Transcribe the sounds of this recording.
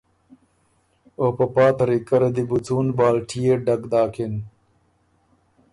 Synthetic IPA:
opɐpaːt̪ɐɾikɐɾɐd̪ibut͡suːnbaːlʈʰijeɖɐkd̪aːkʰin

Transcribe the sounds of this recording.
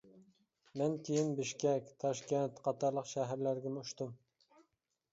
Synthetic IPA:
mɛnkʲʰejinbɪʃkʲɛkʲt̪ʰɑʃkʲɛnt̪qʰɑt̪ɑɾlˠəqʃæɦæɾlæɾɡʲɛmuuʃt̪um

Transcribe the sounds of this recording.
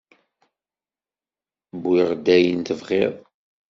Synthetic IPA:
bːɪʁd̪æjənt̪əvʁɪðˤ

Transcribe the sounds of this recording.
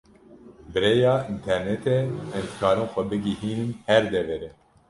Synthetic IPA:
bɨɾejɑːint̪ʰɛɾnɛt̪ɛɛmzkʰɑːɾɨnxʷɛbɨɡihiːnɨmhɛɾd̪ɛvɛɾɛ

